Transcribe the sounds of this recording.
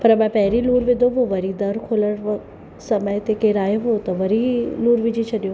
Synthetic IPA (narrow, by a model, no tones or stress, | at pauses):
pɐɾɐbãpɛɦɪɾiluːɾʋɪd̪ʱoʋoʋɐɾid̪ɐɾkʰoːləɽ | sɐməjt̪ekeɾaːjeʋot̪ɐʋɐɾiluːɾʋɪd͡ʑit͡ʃʰɐɗijoː